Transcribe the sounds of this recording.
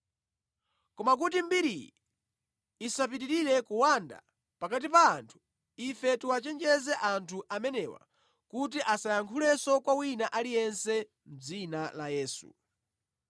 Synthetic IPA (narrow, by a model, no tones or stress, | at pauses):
kɔmak̬ut̬imbiɾii | isap̬itiɾiɾɛkuwanda̰ | pakat̬ipaːntʰu̥ | ifɛtuwat͡ʃɛnd͡ʒɛzɛʔantʰuʔamɛnɛwa̰ | kut̬iʔasajaŋkʰulɛsɔkwawinaʔalijɛnsɛ | m̩d͡zinalajɛːsṵ